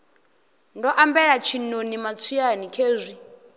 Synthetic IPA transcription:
ndɔʔambɛɺat͡ʃʰinonimat͡sʰianikʰeːzʷi

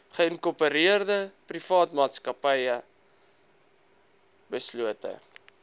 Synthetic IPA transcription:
χəənkopəɾiərdəprifɑːtmɑːtskɐpəjə | bəsluətə̰

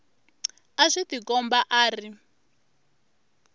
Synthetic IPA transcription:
aʂit̪ikɔmbaʔaːri

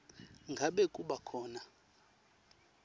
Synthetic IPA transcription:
ŋɡʱaɓekʼuɓakʰɔːna

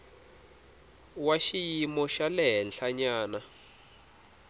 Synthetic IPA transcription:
waʃijimɔʃalɛɦɛnɬaɲaːna

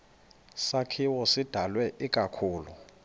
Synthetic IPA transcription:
sakʰiwɔsid̥ʱalwɛʔik̬ʼakʰuːlṵ

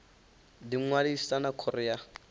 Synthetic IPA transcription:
diŋwadi̥sanakʰɔrɛa

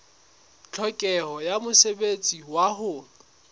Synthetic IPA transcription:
t͡ɬʰɔkʼɛhɔjamʊsebet͡sʼiwaɦʊ

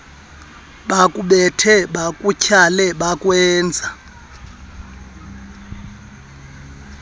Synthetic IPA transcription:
ɓakʼuɓɛtʰɛɓakʼucʰalɛɓakʼwɛːnd͡zʱa

